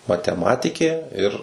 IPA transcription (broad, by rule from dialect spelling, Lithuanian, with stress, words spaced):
mɐtʲɛˈmɑːtʲɪkʲeː ɪr